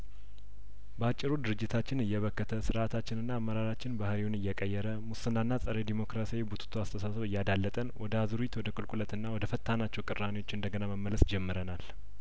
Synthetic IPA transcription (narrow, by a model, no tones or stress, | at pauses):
bəat͡ʃʼːɪɾud̪ɨɾɨd͡ʒːɪt̪ʰat͡ʃːɪnɨjːɛβəkːət̪ʰəsɨɾʔat̪ʰat͡ʃːɪnɨnːaːmːəɾaɾat͡ʃːɪnbahɾiwʊnɨjːɛkʼəjːɛɾəmusɨnːanːasʼəɾed̪imo̞kɾasawibut̪ʰu̥t̪ʰuast̪ʰəsasəβɨjːad̪alːət̪ʼənwɔd̪əazuɾit̪wɔd̪əkʼɨlkʼulət̪ɨnːawɔd̪əfət̪ʰːanat͡ʃːɛwkʼɨrːanewo̞t͡ʃːɨnd̪əɡənaməmːələsd͡ʒɛmːɨɾənal